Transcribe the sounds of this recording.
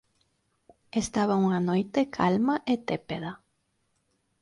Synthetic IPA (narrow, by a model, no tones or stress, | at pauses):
est̪aβɐuŋanojt̪ekʰalmɐʔet̪epeðɐ